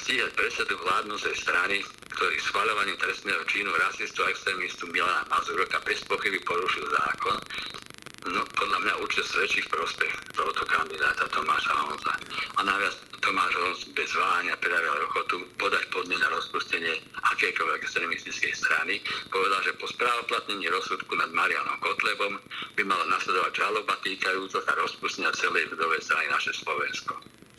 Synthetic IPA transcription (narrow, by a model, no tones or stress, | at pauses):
sciːɦac̚pɾɛsad̪uʋlaːd̪nɔt͡sɛjst̪ɾani | kt̪ɔɾḭːsxʋaʎɔʋaɲiːt̪ɾɛst̪nɛːɦɔt͡ʃiːnuɾasist̪uaɛkst̪ɾɛːmist̪umilana̰mazuɾɔkabɛspɔxibipɔɾuʃilˠza̰ːkɔn | nɔpɔd̪ʎamɲauɾt͡ʃɛsʋɛt͡ʃifpɾɔspɛxt̪ɔɦɔt̪ɔkand̪id̪aːt̪at̪ɔmaːʃa̰ɔnza̰anaʋɪast̪ɔmaːʒɔnsbɛzʋaːɲɪapɾɛd̪aɾiɛlɾɔxɔt̪upɔd̪acpɔd̪ɲɛnaɾɔspuscɛɲɪɛʔakɛːkɔlʋɛɛkst̪ɾɛmist̪it͡skɛjst̪ɾa̰nipɔʋɛd̪alʒɛpɔspɾaːʋɔplat̪ɲɛɲiːɾɔsːut̪kunad̪maɾia̰nɔmkɔt̪lɛbɔmbimalanaslɛd̪ɔʋaɟʒalɔbat̪iːkajuːt͡sasaɾɔspuscɛɲat͡sɛlɛjud̪ɔʋɛjst̪ɾaninaʃɛslɔʋɛnskɔ